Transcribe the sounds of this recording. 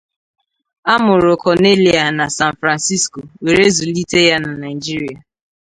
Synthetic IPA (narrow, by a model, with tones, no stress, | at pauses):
a˦mʊ˨ɾʊ˨kɔ˨ne˦li˨a˨na˨sa˦n̩˨fɾa˨nsi˦sko˨we˨ɾe˦zu˨li˦te˦ja˦na˨na˨ɪ˨d͡ʒi˦ɾi˨a˨